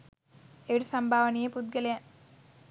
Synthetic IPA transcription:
eʋiɽisɐmbʱaːʋɐnijepud̪̚ɡɐlɐjɐ

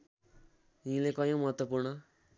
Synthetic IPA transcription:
ɦĩlekʌjõmʌɦʌt̪wʌpurnʌ

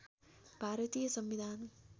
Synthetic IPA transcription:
bʱaɾʌt̪ijʌsʌmbid̪ʱan

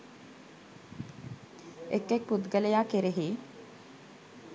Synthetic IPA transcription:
ekːek̚pud̪ɡəlejaːkeɾeɦiː

